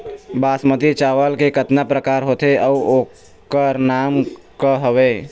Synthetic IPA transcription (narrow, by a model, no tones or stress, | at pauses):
baːsmət̪it͡ʃaʋəlkekət̪napɾəkaːɾɦoːt̪eʔəuo | kəɾnamkəɦəʋe